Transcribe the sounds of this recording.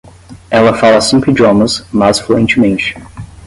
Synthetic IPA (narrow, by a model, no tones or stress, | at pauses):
ɛlɐfalɐsẽmpɾɪd͡ʒɪɔ̃mɐ̃smazfluẽnt͡ʃɪmẽnt͡ʃɪ̥